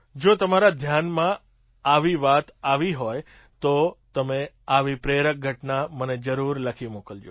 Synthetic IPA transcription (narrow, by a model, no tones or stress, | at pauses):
d͡ʒot̪əmaɾad̪ʱjanmã | aʋiʋat̪aʋiɦoj | t̪ot̪əme | aʋipɾeɾək̚ɡʱəʈnaməned͡ʒəɾuɾləkʰimokəld͡ʒo